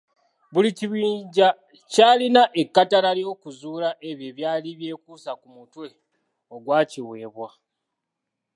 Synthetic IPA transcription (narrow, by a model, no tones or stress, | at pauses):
βuliciβiːɲɟa | caːlinaʔe̞kːatalaljo̞ːkuzuːlaʔe̞βjeβjaːliβje̞ːkuːsakumutwe̞ | o̞ɡwaːciwe̞ːβwa